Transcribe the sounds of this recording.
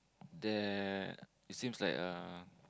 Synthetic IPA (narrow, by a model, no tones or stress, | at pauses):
dɛ | itsĩmsla̰ɪkʌ